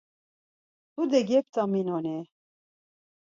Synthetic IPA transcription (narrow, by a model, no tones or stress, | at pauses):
t̪ud̪ɛɡɛp̚t̪ʰaminɔni